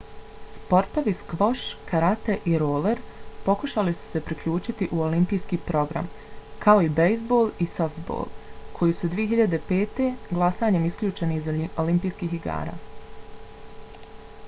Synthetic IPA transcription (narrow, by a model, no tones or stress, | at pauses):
spo̞ɾt̪o̞ʋiskʋo̞ʃkʰaɾat̪eʔiɾoːle̞ɾpo̞kuʃalisu̥se̞pɾikʎuːt͡ʃit̪iʔuolimpijskiːpɾo̞ɡɾa̰m | kʰao̞ibejzbo̞lˠisoft̪bo̰ːlˠkʰo̞jisud̪ʋijeɦiʎad̪e̞pe̞ːt̪e̞ɡlˠasaːɲe̞miskʎʲuːt͡ʃe̞niːzoolimpijskiːxiɡa̰ːɾa̰ː